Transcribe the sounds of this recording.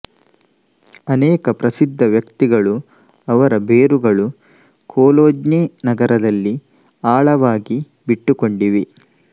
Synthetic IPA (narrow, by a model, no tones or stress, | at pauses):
ɐnɛːkɐpɾɐsid̪ʱːɐʋjɐkt̪iɡɐɭu | ɐʋɐɾɐbeːɾuɡɐɭu | kʰoːloːd͡ʒneːnɐɡɐɾɐd̪ɐlːi | aːɭɐʋaːɡi | biʈːuko̞ɳɖiʋi